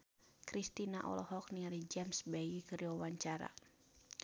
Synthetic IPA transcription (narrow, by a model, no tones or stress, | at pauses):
kɾist̪inaʔɔ̰lɔɦɔk̚niaɾid͡ʒɛmsbaɡikəɾiwawaɲt͡ʃaɾa̰